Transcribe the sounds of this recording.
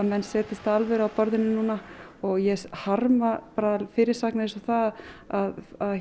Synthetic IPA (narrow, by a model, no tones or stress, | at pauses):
mɛnːsɛːt̪ɪst̪aalvɛɾawpɔɾðɪnːɪnuːnaɔɣjɛshaɾmapaːɾalfɪːɾɪɾ̥saknaɪnsɔθaaðað